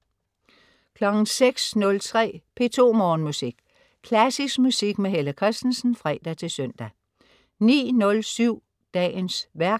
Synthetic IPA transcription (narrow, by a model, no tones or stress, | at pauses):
kʰlɒ̽ɡ̥n̩seɡ̥snɔ̽lt͡sʰʁɛ̰ːpʰe̝ːt͡sʰo̝̰ːmɒːnmusiɡ̥ | kʰlæsisɡ̥musiɡ̥meɦeləkʰʁɛsd̥n̩sn̩fʁɛ̰ːd̥æt͡sʰe̝lsœn̰d̥æ | nḭːnɔ̽lsyʊ̰ | d̥ɛ̰ːnsʋæɐɡ̥̚